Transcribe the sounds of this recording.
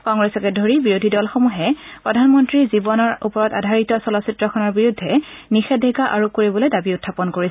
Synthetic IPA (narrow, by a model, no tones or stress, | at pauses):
kɔŋɡɹɛsɔkɛdʱoɹibiɹodʱidɔlxomuɦɛpɹɔdʱanmɔntɹizibɔnɔɹṵpɔɹɔta̰dʱaɹitɔsɔlɔsitɹɔkʰɔnɔɹbiɹudʱːɛnixɛdʱeɡaʔaɹukoɹibɔlojdabiʊtʰːapɔnkoɹis